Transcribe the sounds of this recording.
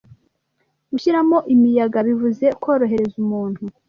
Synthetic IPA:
ɡ̥uçiɾamo̞ʔimijaɡaβivuze̞ko̞ːɾo̞ɦe̞ɾe̞zumuːn̥hu

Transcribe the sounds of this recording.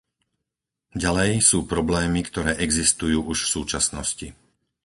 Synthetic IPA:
ɟalɛjsuːpɾɔblɛːmikt̪ɔɾɛːʔɛɡzist̪ujuːʔuʃfsuːt͡ʃasnɔsci

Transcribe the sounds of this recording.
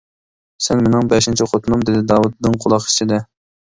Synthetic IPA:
sɛnmenɪŋbɛʃint͡ʃʰɪqʰot̪ʰnumd̪ed̪ɪd̪ɑːwud̪̚ːɨŋqʰʊlˠɑqi̥t͡ʃʰid̪ɛ

